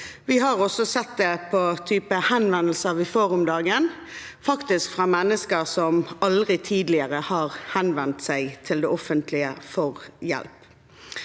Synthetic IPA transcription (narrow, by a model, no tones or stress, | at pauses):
ʋɪɦɑʁɔsɔsɛt̪̚d̪epʰɔt̪ʰyːpəhɛnʋɛnːl̩səʋɪfoːʁʊmd̪ɑːɡən | fɑkt̪ɪskfʁɑːmɛnːəskəsɔmɑld̪ʁɪt̪ʰiːd̪lɪəʁəhɑːʁhɛnʋɛnt̪sæɪt̪ʰɪld̪eːɔfənt̪lɪəfɔʁjɛ̰lp